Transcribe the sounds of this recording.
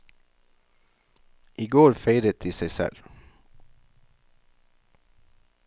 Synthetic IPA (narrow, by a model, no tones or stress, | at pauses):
ʔiːɡoːɾfeɪɾət̪̚ɪːseɪsɛ̰l